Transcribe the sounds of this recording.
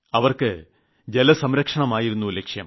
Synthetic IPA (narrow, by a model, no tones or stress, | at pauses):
ɐʋɐrkɨ | d͡ʑelɐsɐmɾɐkʂɐɳɐmaːjiɾunːulekʂjɐm